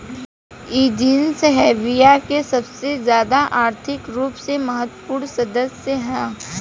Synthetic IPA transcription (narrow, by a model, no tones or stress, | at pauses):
iːd͡ʒinsɦɛːʋijakesɐbsezjaːd̪aʔaːɾt̪ʰɪkɾuːpsemɐɦət̪puːɳsɐd̪əsjəɦɛ̃ː